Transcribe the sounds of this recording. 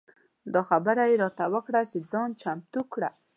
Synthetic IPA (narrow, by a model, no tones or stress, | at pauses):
d̪ɑxabəɾajeɾɔt̪awəkɽat͡ʃed͡zɑnt͡ʃamt̪ukɽa